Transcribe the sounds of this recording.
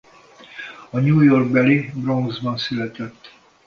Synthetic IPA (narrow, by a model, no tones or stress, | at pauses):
ɒɲuːjorɡ̚bɛlibroŋɡzbɒnsylɛt̪ɛt̪ː